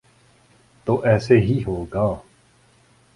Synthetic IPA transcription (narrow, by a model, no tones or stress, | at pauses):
t̪oːʔɛːseɦiːɦoːɡaː